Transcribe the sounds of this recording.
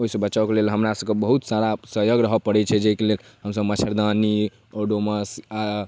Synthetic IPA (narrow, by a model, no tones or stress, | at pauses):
oɦisəbəːt͡ʃawkelelɦəmɾasəbkebəɦut̪saɾasəɦjəɡɾəɦəpəɽɛt͡ʃʰɛd͡ʒeikelel | ɦəmsəbmət͡ʃʰəɾd̪ani | oɖoməsa